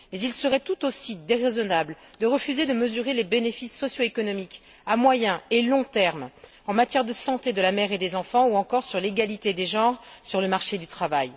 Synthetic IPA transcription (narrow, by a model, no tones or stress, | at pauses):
mɛzilsəʁɛt̪ut̪osid̪eʁezɔnabld̪əʁəfyzed̪əməzyʁelebenefisːɔsjoekɔnɔmik | amwajɛ̃elɔ̃t̪ɛʁm | ɑ̃mat̪jɛʁd̪əsɑ̃t̪ed̪əlamɛʁed̪ezɑ̃fɑ̃uɑ̃kɔʁsyʁleɡalit̪ed̪eʒɑ̃ʁsyʁləmaʁʃed̪yt̪χavaj